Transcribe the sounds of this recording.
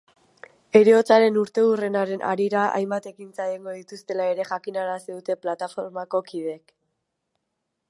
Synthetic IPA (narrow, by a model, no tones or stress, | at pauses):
e̞ɾeo̞t͡saɾe̞nuɾt̪e̞ure̞naɾe̞nʔa̰ɾiɾaa̰jmbat̪e̞kint͡sajeŋɡo̞ðit̪ust̪e̞lae̞ɾe̞ʝakinaɾasiðut̪e̞plat̪afo̞ɾmako̞kið̞e̞k